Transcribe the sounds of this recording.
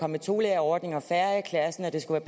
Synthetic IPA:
ɒ̽mːət͡sʰo̝ːleɐɒːd̥ne̝ŋɒ̽fæɐəkʰlæsn̩æd̥e̝sɡ̥uʋæːɐb̥

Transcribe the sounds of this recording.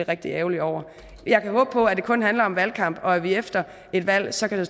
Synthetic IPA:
eʁeɡ̥d̥ieʊliɒʊ̰ɐ | jɑ̈ɪkʰæɦɔ̽ːb̥̚pʰɒ̽æd̥e̝kʰɔ̽nɦænlɐɒ̽mʋælkʰɑ̈m̰b̥ɒ̽æʋiefd̥ɐ | e̝d̥ʋæl̰sɒ̽kʰæd̥e̝

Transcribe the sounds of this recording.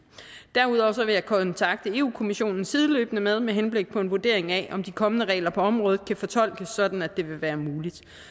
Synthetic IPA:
d̥æɐuð̞ˠɒʊsɒ̽ʋe̝jɑ̈ɪkʰɒ̽nt͡sʰɑ̈ɡ̥̚d̥əe̝ːṵːkʰo̝miɕo̝̰ːnn̩sið̞ˠəløːb̥ənəmeð̞ˠmeɦenb̥le̝ɡ̥̚pʰɒ̽e̝nʋoɐd̥e̝ɐ̰e̝ŋæʔɒ̽md̥ikʰɒ̽mənəʁɛ̰ːlɐpʰɒ̽ɒ̽mʁɔ̽ːð̩ˠkʰæfɒ̽t͡sʰɒ̽l̰ɡ̥əsɒ̽d̥n̩æd̥e̝ʋe̝ʋæːɐmuːlid̥

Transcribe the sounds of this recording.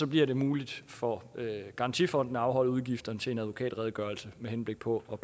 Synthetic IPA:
sɒ̽b̥liɐɾe̝muːlid̥fɒøɡ̥ɑ̈ʁɑ̈nt͡sʰḭfɒ̽n̰d̥n̩ɑ̈ʊɦɒ̽l̰̩ˠuð̞ˠɡ̥ifd̥ɐnət͡sʰe̝e̝næð̞ˠʋo̝kʰɛ̰ːd̥ʁɛð̞ˠɡ̥ɶːɐlsəmeɦenb̥le̝ɡ̥̚pʰɒ̽ɒb̥

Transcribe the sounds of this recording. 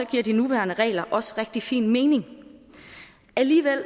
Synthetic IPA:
ɒ̽ɡ̥iɐ̰d̥inuʋæːɐnəʁɛ̰ːlɐʔɒ̽sə̥ʁeɡ̥̚d̥ifḭːnme̝ːne̝ŋ | ʔæliːʋel̰

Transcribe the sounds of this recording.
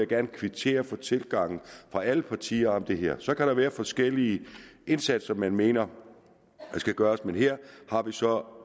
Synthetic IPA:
jɡ̥æɐnkʰʋit͡sʰe̝̰ːɐfɒ̽t͡sʰe̝lɡ̥ɑ̈ŋ̰n̩fʁɑ̈ʔæləpʰɑ̈t͡sʰḭːɐɒ̽md̥e̝ɦeɐ̰sɒ̽kæɾ̥ɑ̈ʋæːɐfɒ̽sɡ̥el̰iəʔe̝nsæd̥sɐmːænme̝ːnɐ | sɡ̥æɡ̥ɶːɐsmenɦeɐ̰hɑ̈ʋisɒ̽

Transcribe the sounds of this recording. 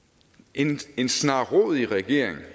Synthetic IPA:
ene̝nsnɑ̰̈ʁɔ̰ðˠiʁɛɡ̥e̝ɐ̰eŋ

